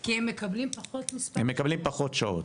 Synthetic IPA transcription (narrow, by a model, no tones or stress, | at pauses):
kiemːekablimpaχo̞t̪mispemːekablimpaχo̞t̪ʃao̰t